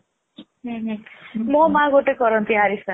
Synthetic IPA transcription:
ɦẽɦẽmɔmãɡoʈekʌɾʌnt̪iɦaɾisa

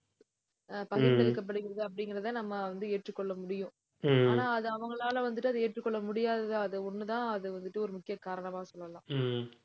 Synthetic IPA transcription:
pɐɣɪtɛlɯkːɐp̬ːɐɽɯɣɪɾɐðɯɐpːɐɽɪŋɡɪɾɐðãːnɐmːɐʋɐnd̪ɯeːʈrɯkːɔɭːɐmʊɽɪjʊ̃ | aːnaːɐðɯɐʋɐŋɡɐɭaːlɐʋɐnd̪ɯʈːɯɐðɯeːʈrɯkːɔɭːɐmʊɽɪjaːðɐðɯɐðɯɔnːɯt̪ãːɐðɯʋɐnd̪ɯʈːɯɔɾɯmʊkːɪjɐkaːɾɐɳɐmaːsɔlːɐlãː

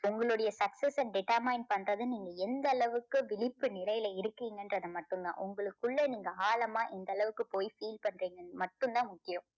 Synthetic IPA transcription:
ʊŋɡɐɭɯɽɐjɐsɐksɛsɐnɖɪʈːɐɾmɐɪnpɐnrɐðɯniːŋɡɐɛnd̪ɐːɭɐʋɯkːɯʋɪɭɪpːɯnɪlɐjɪlɐɪɾɯkːiːŋɡɐndɾɐðɯmɐʈːɯŋɡã̰ːʔʊŋɡɐɭɯkːɯɭːɐniːŋɡɐaːlɐmaːʔɛnd̪ɐɭɐʋɯkːɯpoːjifiːlpɐɳːriːŋɡɐmɐʈːɯnd̪ãːmʊkːɪjɯ̃m

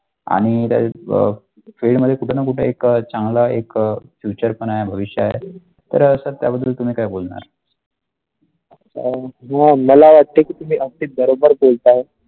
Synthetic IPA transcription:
a̰ɽ̃it̪ja̰ | feɽməd̪ʱːjekuʈʰenakuʈʰḛekt͡ɕaŋɡlaekfjut͡ɕəɾpənajebʱəʋiɕjəaḛ | t̪əɾsəɾt̪ja̰bəd̪ːəlt̪um̤iːkajbolɳa̰ɾ | əɕʰaɦãməlaʋaʈt̪ːekiːt̪um̤iːʔək̚ʈ̪iːbəɾobəɾbolt̪ao

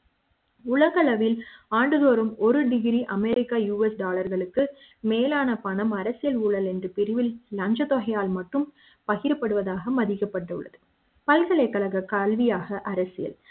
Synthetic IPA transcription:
ʊɭɐɣɐɭɐʋɪlaːɳɖɯðoːɾɯmɔɾɯɖɪɣɪɾiʔɐmɛːɾɪkːaːjuːɛsɖaːlɐɾɣɐɭɯkːɯ | meːlaːnɐpɐɳɐmɐɾɐsɪjɐluɭɐlɛndrɯpɪɾɪʋɪlːɐɲd͡ʒɐt̪ɔɣɐjaːlmɐʈrɯm | pɐɣɪɾɐpːɐɽɯʋɐðaːɣɐmɐðɪkːɐpːɐʈːɐɯ̰ɭːɐ̰ðɯ | pɐlɣɐɭɐɪkːɐɭɐɣɐkalʋɪjaːɣɐʔɐɾɐsɪjɐ̰l

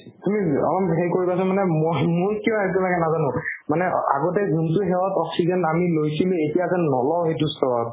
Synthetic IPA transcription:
tumiɔ̰lɔmɦejkoɹibasɔmanɛmojmʊɹkiɔ̃aɹit̬ulaɡɛnazanʊ̃manɛa̰ɡɔt̬ɛɡʱuntʊɦɛwatɔksizɛnamilojsiluetijazɛnɔlɔwɦejtustʰɔɹɔt̚

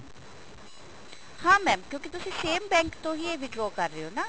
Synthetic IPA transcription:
hãːmɛ̃ːmkjõːkit̪ʊsẽseːmbɛ̃ːŋkt̪õːɦieʋɪɖɾɔːkɐɾːeːɦoːnaː

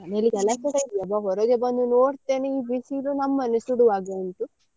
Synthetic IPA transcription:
neliɡɛlːakeɽɐid̪ijɐbaɦɔɾɐɡebɐnd̪unoːɽt̪eːneiːbiːsilunɐmːɐnesuɽuʋaːɡɐɐnʈ̪u

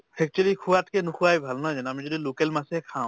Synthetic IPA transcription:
pʰɛk̚tlikʰuwatkenukʰuajbʱalnɔzanamid͡ʒɔdilokelmasɛkʰaw̃

